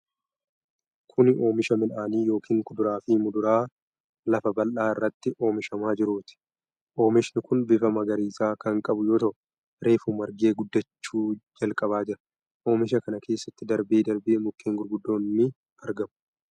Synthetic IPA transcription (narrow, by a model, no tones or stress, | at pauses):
kʰʊnɪʔo̞ːmɪʃɐmɪlʔaːniːjo̞ːkʰiːŋkʊd̪ʊɾaːfiːmʊd̪ʊɾaː | lɐfɐbɐlʔaːɪrːɐt̪ːɪʔo̞ːmɪʃɐmaːd͡ʒɪɾuːt̪ɪ̥ | ʔo̞ːmɪʃnɪkʊnbɪfɐmɐɡɐɾiːsaːkɐŋkʼɐbʊjo̞ːt̪ɐʔʊ | ɾe̞ːfuːmɐɾɡe̞ːɡʊd̪ːɐt͡ʃːuːd͡ʒɐlkʼɐβaːd͡ʒɪɾɐ̥ | ʔo̞ːmɪʃɐkɐnɐkʰe̞ːsːɐt̪ːɪd̪ɐɾbeːd̪ɐɾbeːmʊkːeːŋɡʊɾɡʊd̪ːo̞ːnːɪ | ɐɾɡɐmʊ̥